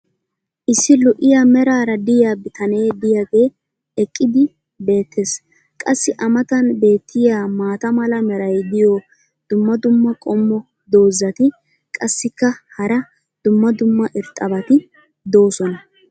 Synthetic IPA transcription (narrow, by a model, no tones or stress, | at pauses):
ʔɪsːɪlɔʔɪjamɛɾaːɾɐd̪ɪjaːbɪt̪ʰɐne̞ːd̪ɪjaɡeː | ɛkʼːɪd̪ɪ | be̞ːt̪ʰːes | kʼɐsːɪʔɐmɐt̪ɐnbe̞ːt̪ʰːɪjaːmaːt̪ɐmɐlɐmɛɾɐjd̪ɪjɔ | d̪̥ʊmːɐd̪ʊmːɐkʼɔmːɔ | d̪o̞ːzːɐt̪ɪ | kʼɐsːɪkːɐhɐɾɐ | d̪̥ʊmːɐd̪ʊmːɐʔɪɾt̪ʼːɐbɐt̪ɪ | d̪o̞ːsɔnɐ